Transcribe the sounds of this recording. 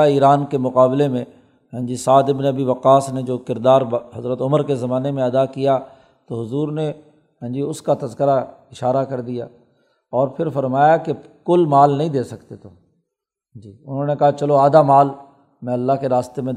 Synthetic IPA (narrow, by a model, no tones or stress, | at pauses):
aiːɾaːnkemʊqaːblemẽ | ɦɛ̃ːd͡ʒisaːd̪ɪbnɐbiʋɐqaːsned͡ʒoːkɪɾd̪aːɾɦɐzɾət̪ʊməɾkezɐmaːnemẽɐd̪akija | t̪oɦʊzuːɾne | ɦɛ̃ːd͡ʒiʊskat̪ɐzkəɾaɪʃaːɾakɐɾd̪ija̰ː | ɔːɾpʰɪɾfɐɾmaːjake | kʊlmaːlnəɦĩd̪eːsɐkt̪et̪ʰoː | d͡ʒiːʊnɦõːnekɐɦat͡ʃɐloaːd̪amaːl | mɛ̃ːɐlːaɦkeɾaːst̪emẽ